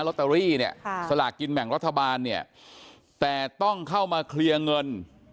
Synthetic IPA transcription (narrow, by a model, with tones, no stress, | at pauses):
lo˦˥t̪ːa˧ɾiː˥˩ni˥˩ɐsa˧laː˨˩kkːi˧nmɛ˨˩˦ŋɾa˦˥t̪ʰːa˧baː˧nːi˥˩ɐ | t̪ɛː˨˩t̪ɔ˥˩ŋkʰa˥˩wmaː˧kʰli˧ɐŋɤ˧n